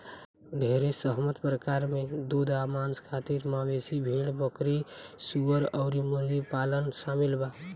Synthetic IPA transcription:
ɖʱeɾesəɦmət̪pɾəkaɾmed̪ud̪ʱamanskʰat̪iɾmabesibʱeɽbəkɾisuəɾəʊɾimuɾɡipalənsamilba

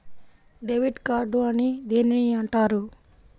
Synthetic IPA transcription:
ɖeʋiɖkaːɾɖuɐnid̪eːniniɐɳʈaːɾu

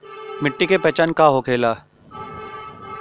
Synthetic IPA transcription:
mɪʈːikepɛːt͡ʃaːnkaɦokʰeːlaː

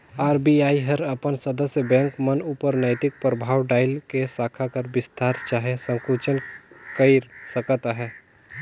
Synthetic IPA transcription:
aːɾbiaːiɦɐɾɐpənsəd̪əsjəbɛ̃ːŋkmənuːpəɾnəɪt̪ɪk̚pɾəbʱaːwɖaːɪlkesaːkʰakəɾbɪst̪aːɾt͡ʃaːɦesə̃ŋkuːt͡ʃənkəɪɾsəkət̪aɦɛː

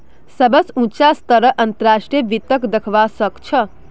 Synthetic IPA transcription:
səbəsũt͡ʃast̪əɾəʔɐnt̪əɾaːʂʈɾieʋit̪əkd̪əkʰʋasəkt͡ʃʰə

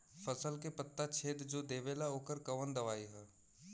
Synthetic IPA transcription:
fʰəsəlkepət̪ːat͡ʃʰeːd̪d͡ʒoːd̪eːʋeːlaoːkəɾkɐʋənd̪ɐʋaːiɦɛː

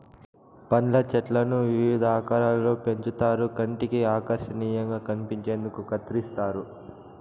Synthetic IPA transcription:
pɐnlɐt͡ʃɛʈlɐnuʋiʋid̪aːkɐːɾaːlːo̞ːpe̞ɲt͡ʃut̪aːɾukɐɳʈikiaːkɐɾʃɐniːjɐŋɡaːkɐnipiɲt͡ʃe̞ːnd̪ukukɐt̪ɾist̪aːɾu

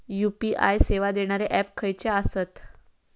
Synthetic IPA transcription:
jupiʔa̰jseʋad̪eɽ̃aɾeʔɛpkʰəjt͡ɕeasət̪

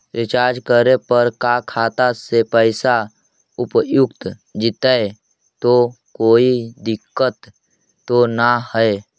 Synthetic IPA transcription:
ɾɪt͡ʃaːɾd͡ʒkəɾepəɾkakʰaːt̪asepəɪsa | ʊpjʊkt̪d͡ʒɪt̪ae | t̪o | koːid̪ɪkːət̪ː | onahɛe

